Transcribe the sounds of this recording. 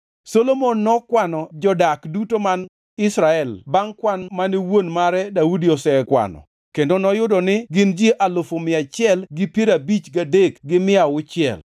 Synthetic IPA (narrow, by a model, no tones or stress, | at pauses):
solomonːɔkwanɔd͡ʒɔdakdutoman | ɪsɾaɛlbaŋkwanmanɪwonmaɾɛdaudiɔsɛkwa̰nɔ̰ | kendonɔjʊdɔnɪɡɪnd͡ʒeʔalofomɪat͡ʃɪɛlɡɪpjeɾabit͡ʃɡadekɡɪmɪawʊt͡ʃɪɛ̰l